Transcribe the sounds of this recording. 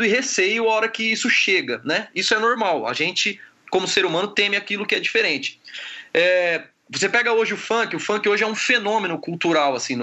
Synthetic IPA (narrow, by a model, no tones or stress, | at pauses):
ʊɪɦesejʊaɔɾɐkɪisʊʃeɡɐnɛisʊɛnoɾmawa̰ʒẽnt͡ʃɪ | kõmʊseɾumɐ̃nʊt̪ẽmɪakilʊkɪɛd͡ʒifeɾẽt͡ʃɪ̥ɛ | vos̬epɛɡɐoʒɪʊfɐ̃kɪʊfɐ̃kɪoʒɪɛũfenõmẽnʊkuwt̪uɾawasĩn